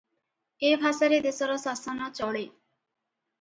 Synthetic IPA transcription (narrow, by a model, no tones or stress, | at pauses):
ebʱasaɾed̪esɔɾɔsasɔnɔt͡ʃɔɽe